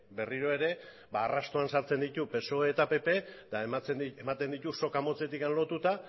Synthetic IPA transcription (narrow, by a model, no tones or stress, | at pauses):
be̞riɾo̞e̞ɾe̞ | baːrast̪oansaɾt͡se̞nd̪it̪upe̞so̞et̪ape̞pe̞d̪aet͡seemat̪e̞nd̪it̪uso̞kamo̞t͡se̞t̪ikanlo̞t̪ut̪a